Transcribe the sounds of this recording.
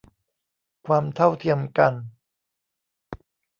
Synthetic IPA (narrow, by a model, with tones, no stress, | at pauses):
kʰwaː˧mt̪ʰa˥˩wt̪ʰi˧əmka˧n